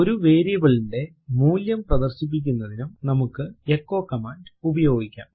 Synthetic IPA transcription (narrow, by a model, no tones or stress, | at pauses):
o̞ɾuʋe̞ːɾijɐbɐɭiɳɖe̞ | muːljɐmprɐd̪ɐrɕip̬ːik̬ʲːunːɐðinumnɐmukːɨekːo̞ːkːɐmaːɳɖubɐjo̞ːɡikʲːa̰ːm